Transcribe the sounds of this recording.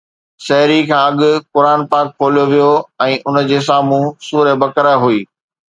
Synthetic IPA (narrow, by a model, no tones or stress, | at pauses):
sɐɦɾikʰãːɐɠʊ̆kʊɾaːnpaːkʰːoːlijoʋijoɛ̃ːʔʊnəd͡ʑeːs̬aːmũsuːɾebɐkəɾəɦuiː